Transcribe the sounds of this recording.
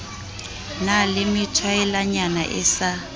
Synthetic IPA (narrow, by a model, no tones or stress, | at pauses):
nalɪmɪtʰwaɛlaɲana̰ʔɛ̰sa